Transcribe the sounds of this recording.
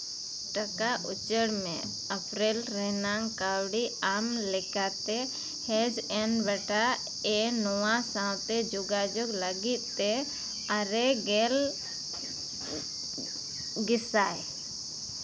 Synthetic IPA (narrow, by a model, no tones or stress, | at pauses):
ʈəkaʔut͡ʃəɽmɛ̰̃ | əpɾɛlɾɛnaŋkawɽiamlɛkat̪ɛ | hɛd͡ʒɛnbɛʈa | ɛnɔwãsãwt̪ɛd͡ʒʊɡad͡ʒɔɡləɡit̪̚t̪ɛ | aɾɛɡɛl | ɡɪsaj